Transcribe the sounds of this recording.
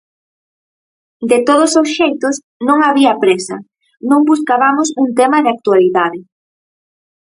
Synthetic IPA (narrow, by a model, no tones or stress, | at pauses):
d̪et̪oð̞ʊsosʃejt̪ʊs | nõŋaβiapɾesɐ̰ | nõŋbuskaβamʊsuŋt̪emaðɪak̚t̪ualiðaðɪ